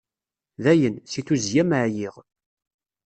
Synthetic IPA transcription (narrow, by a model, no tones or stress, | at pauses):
ðæjənsiθuzjæmʕjiʁ